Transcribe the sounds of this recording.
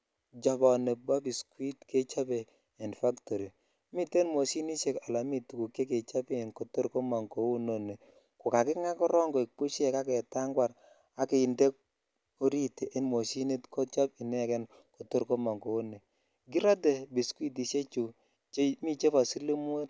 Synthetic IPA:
d͡ʒɔ˨bɔ˨ne˨ba˦bi˨skwi˦tkʰe˦t͡ʃa˦beː˨ | nfa˦kto˨ɾi˨ | mi˦te˦nmo˨si˦ni˦ʃe˦ka˨la˨mi˨tu˨ku˨kːe˦k̬e˨t͡ʃa˦bi˦˨nko˨to˦ɾko˦ma˨ŋɡo˨˦u˦no˨ne˨ | kʊ˨ka˨kɪ˦ŋa˦kɔ˦ɾɔ˦ŋɡo˨i˨k̚pu˦ʃɛ˨ka˦kɛ˨ta˦ŋɡwa˨ɾ | a˨ke˨ɪ˨nde˦k̚ | o˦ɾi˦te˨ʔe˦nmo˨si˦ni˦tko˦t͡ʃɔ˦pɪ˨nɛ˦kɛ˦n | ko˨to˦ɾko˦ma˨ŋɡo˨u˦nːe˨ | ɡi˦ɾa˦de˨bi˨skwi˦t̬i˨se˦t͡ʃu˨ | t͡ʃmi˦t͡ʃe˦ba˨si˦li˦m˦o˦t̚

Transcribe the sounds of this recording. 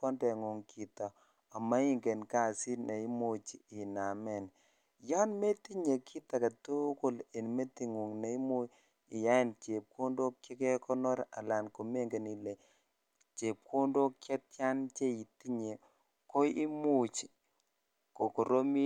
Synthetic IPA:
ɔ˦ndɛ˨ŋu˨ŋkʰi˨ta˨ | a˨ma˦i˦ŋɡɛ˨nka˦˨si˦ne˨i˦mo˨t͡ʃi˨ɪ˨na˨mɛ˨n | ja˦nme˦ti˦ɲe˨kʰi˦ta˨ka˨tu˦ko˦˨le˨nme˦ti˨ŋu˨ŋne˨i˦mu˦ | ɪ˨ja˦ɛ˦˨nt͡ʃe˨p̚ko˦ndo˦kːe˦kɛ˦kɔ˦nɔ˦ɾa̰˨la˨nko˨me˦ŋɡe˨ni˨le˨ | t͡ʃe˨p̚kʰo˦ndo˦kːja˦tja˦nt͡ʃe˦i˨ti˦ɲe˨ | ko˦i˦mu˦t͡ʃi˨ | ko˨ko˨ɾo˦mi˦

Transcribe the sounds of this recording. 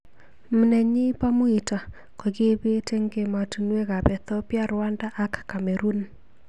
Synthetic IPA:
m̩˨nɛ˨ɲɪ˦pa˦mʊ˦i˨ta˨ | ko˨ɡɪ˦bɪ˦te˦ŋɡe˨ma˨tu˨nwe˦ka˨bɛ˨t̪ɔ˦pja˦ɾwa˦nda˦ʔa˦kːa˨mɛ˨ɾu˦n

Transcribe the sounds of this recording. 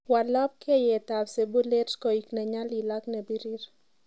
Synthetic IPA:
wa˨lɔ˦p̚ke˦jɛ˨t̪a˨bse˨bu˦le˦ɾskɔ˨i˨knɛ˨ɲa˦li˨la˦knɛ˨bi˦ɾi˦ɾ

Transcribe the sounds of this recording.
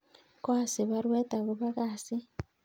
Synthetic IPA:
kwaː˦si˨βa˦ɾweː˦ta˨ɣu˨βa˦ɣaː˨si˦

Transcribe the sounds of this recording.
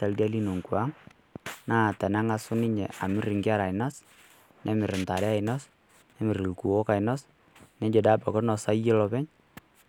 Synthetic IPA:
ta˨lda˦li˦no˨ŋku˨a˦ŋ | naː˦˨tɛ˨na˦ŋa˦sʊ˦nɪ˦ɲɛ̰˨a˨mɪ˦ɾɪ˨ŋɡɪ˦a˦ɾa˨ɪ˨na˦s | nʔɛ˦mɪ˨ɾɪ˨nta˨ɾɛ˦a˦ɪ˨nɔ˦s | nɛ˦mɪ˨ɾɪ˨lku˨wɔ˦ka˨ɪnɔ˦s | nɛ˦d͡ʒe˨da˦pɔ˨kɔ˦nɔ˨sa˦jɛ˦lɔ˧pɛ˦ɲ

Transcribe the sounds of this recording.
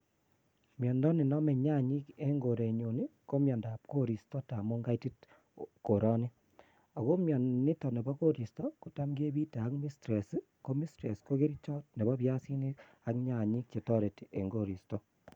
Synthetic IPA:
mjɔ˨ndɔ˦ni˨nɔ˦mɛ˨ɲa˦ɲi˦ke˦ŋɡo˨ɾe˨ɲo˨ni˦ko˦mjɔ˨ndaː˨p̚ko˦ɾi˨stɔ˦ta˨mo˦ŋɡa˦iti˦t | ko˨ɾɔ˦ni˦ | a˨ko˦mjɔ˨nni˦tɔ˨ne˨bɔ˦ko˦ɾi˨stɔ˦ku˨ta˦mɡe˦βi˦te˨a˦kmi˦stɾe˨s | ko˦mi˦stɾe˨sko˦ɣe˦ɾi˦t͡ʃɔ˦t̚ne˨βɔ˦βja˦si˦ni˦ | a˦kɲa˨ɲi˦kt͡ʃe˨tɔ˦ɾe˨tiʔe˨ŋɡo˦˨ɾi˨stɔ˦

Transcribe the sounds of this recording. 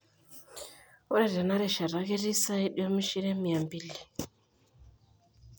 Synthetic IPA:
ɔ˦ɾɛ˦˨ɾa˨na˦ɾɛ˨ʃa˨ɾa˨ke˦ɾi˦sa˦i˦ɗi˦ɔ˦mi˦ʃi˦ɾɛ˦mi˨a˨mbi˦li˨

